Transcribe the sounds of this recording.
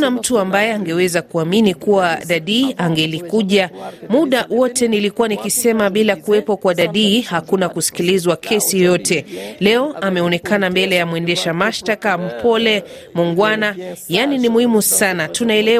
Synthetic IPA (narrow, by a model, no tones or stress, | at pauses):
nam̩tuambajɛaŋɡɛwɛzakuaminikuwaɗaɗiːʔaŋɡɛlikuʄamuɗawɔtɛnilikuwanikisɛmaɓilakuɛpɔkwaɗaɗiːhakunakusi̥kilizwakʰɛsijɔjɔtɛlɛɔamɛɔnɛkanambɛlɛjamwɛndɛʃamaʃtakam̩pʰɔlɛ | muŋɡwanajaninimuhimusanatunaɛlɛ